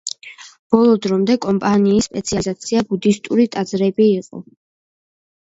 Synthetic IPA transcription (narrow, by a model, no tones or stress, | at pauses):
b̥ɔlˠɔd̪ɾɔmd̪ɛkʼɔmpʼaniːsːpʼɛt̪sʰiazat̪sʰiabud̪ist̪ʼuɾit̪ʼad̪zɾɛbiːqʼɔ̰